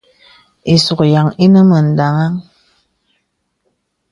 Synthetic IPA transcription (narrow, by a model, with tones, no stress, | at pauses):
i˨su˨kja˨ŋi˦nə˦mə˨n̩˨da˨ŋa˦ŋ